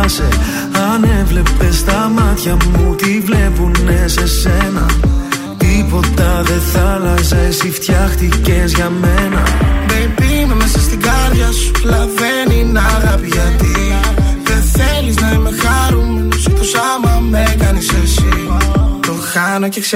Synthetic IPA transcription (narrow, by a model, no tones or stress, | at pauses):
se | ɐne̞vle̞pe̞st̪ɐmɐt̪çɐmut̪ivle̞punːe̞se̞se̞nɐ | t̪ipo̞t̪ɐðe̞θɐlɐsesift̪çɐxt̪ice̞zʝɐme̞nɐbepimemesɐst̪iɡɐɾðʝɐsu̥lɐve̞ninɐɣɐpiʝɐt̪iðenθe̞liznɐimexɐɾumst̪o̞sɐmɐme̞kɐnisesit̪o̞xɐnoceks